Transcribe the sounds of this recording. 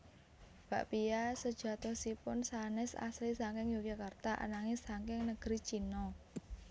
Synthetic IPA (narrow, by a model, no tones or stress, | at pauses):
b̥a̤ʔpijasə̥ʒ̥a̤t̪ɔhsipʊnsanɛsa̰slisaŋkɪŋjokakart̪aʔa̰naŋesaŋkɪŋnəɡ̥ɾit͡ʃinɔ